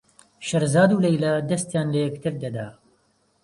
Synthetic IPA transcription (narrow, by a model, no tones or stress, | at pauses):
ʃɐɾzaːd̪uːlɐjlɐd̪ɐst̪jaːnlɐjɛk̚t̪ʰɨɾd̪ɐd̪aː